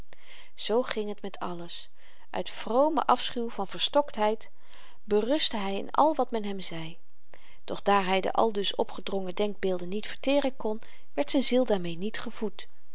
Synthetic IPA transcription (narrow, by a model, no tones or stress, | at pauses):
z̥owχɪŋɦətmɛtʰɑ̰ləs | ʔœ̰ɥtfrowmə̰ʔɑfsχywvɑnv̥əɹstɔktɦɛjt | bərɵstəɦɛjɪ̰nɑ̰lˠʋɑtmɛnɦɛmzɛj | d̥ɔχd̥aːɹɦɛjdə̰ʔɑ̰lˠdɵsɔ̰pχədrɔŋədɛŋɡ̚bɪːlˠdənːitfəɹtɪːrənkɔn | ʋɛɹtsɛjnzilˠdaːɹmejnitχəvut